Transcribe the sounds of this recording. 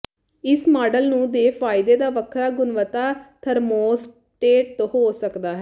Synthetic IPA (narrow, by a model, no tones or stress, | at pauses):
ɪsmaːɖəlnũːd̪eːpʰaːɪd̪eːd̪aːʋəkʰɾaːɡʊnʋət̪aːt̪ʰəɾmoːs | ʈeːʈ̪̚hoːsəkd̪aːɦɛː